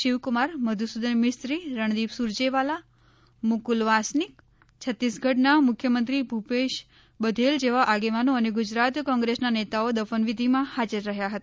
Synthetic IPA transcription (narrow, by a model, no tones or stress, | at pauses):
ʃiʋkumaɾməd̪ʱusud̪ənmɪst̪ɾiɾəɳ̃d̪ibsuɾd͡ʒeʋala | mʊkulʋasnik | t͡ʃʰət̪ːisɡʱəʈnamʊkʰjəmənt̪ɾibʱupeʃ | bəd̪ʱeld͡ʒeʋaʔaɡeʋanoəneɡud͡ʒɾat̪kɔ̃ŋɡɾesnanet̪aod̪əfənʋid̪ʱimãhad͡ʒəɾːəɦjaɦət̪aa